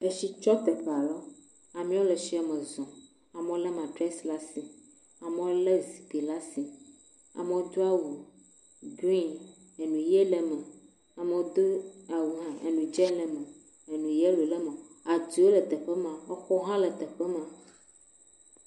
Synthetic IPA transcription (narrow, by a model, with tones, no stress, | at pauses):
e˦ʃi˦t͡ʃɔ˦t̪e˨ka˨lɔ˦ | a˨mĩ˦wo˦le˨ʃi˨˦a˨mə̃˨zɔ̃˨ | a˨me˦wo˦le˦mã˨ɖɾɛ˦sla˦si˨ | a˨me˦wo˦le˦zi˨bi˨la˦si˨ | a̰˨me˨wo˦d̪o˦a˦wu˨ | ɡĩ˦n | e˨nũ˨je˦lɛ˨mɛ̃˨ | a˨me˨wo˦d̪o˦a˨wu˨ɦã˦ḛ˨nũ˨d͡ʒɛ˦lɛ˨mɛ̃˨ | e˨nũ˨je˦lu˨le˦me˨a˨d̪u˨˦o˦lə˨d̪ə˨ɸə˦mã˨wo˦xɔ˦ɦã˦lɛ˨d̪ə˨ɸɛ˦mã˨